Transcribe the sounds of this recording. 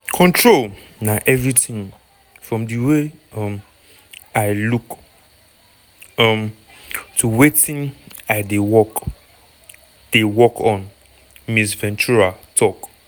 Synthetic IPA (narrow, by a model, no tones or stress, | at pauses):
kʰɔ̃ntʰɹolnaʔɛvɹitĩŋ | fɹɔ̃mdiweʌ̃m | aɪluk | ʌ̃m | tʰuwetĩnaɪdewɔk | d̥ewɔkʰɔ̃n | misvɛ̃nt͡ʃuɹatʰɔk